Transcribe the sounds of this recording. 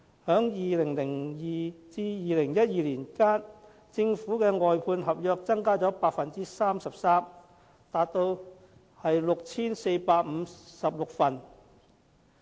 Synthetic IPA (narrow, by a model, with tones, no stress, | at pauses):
hœː˨˥ŋjiː˨lɪ˨˩ŋlɪ˨˩ŋjiː˨˩t͡siː˧jiː˨lɪ˨˩ŋjɐ˥t̚jiː˨liː˨˩nkaː˥n | t͡sɪ˧ŋfuː˨˥kɛ˧ŋɔː˨jpʰuː˧nɦɐ˨p̚jœː˧k̚t͡sɐ˥ŋkaː˥t͡sɔː˨˥paː˧t̚k̚fɐ˨nt͡siː˥saː˥msɐ˨p̚saː˥m | t̪aː˨˧t̚t̪o˧w | hɐ˨jlʊ˨k̚t͡sʰiː˥nse˧jpaː˧k̚m̩ː˨˧sɐ˨p̚lʊ˨k̚fɐ˨˩n